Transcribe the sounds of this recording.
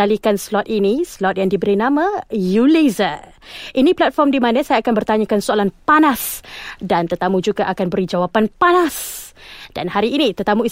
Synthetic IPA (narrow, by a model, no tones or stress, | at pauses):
alikanslɔt̪̚inislɔt̪̚jaŋdibəɾinamajuliza | ʔiniplat̪̚fɔrmdimãnãsajaːkanbərt̪aɲakansoalanpanasdant̪ərt̪amud͡ʒuɡaʔakanbəɾid͡ʒawapanpanas | d̥a̰nhaɾiːnit̪ərt̪amui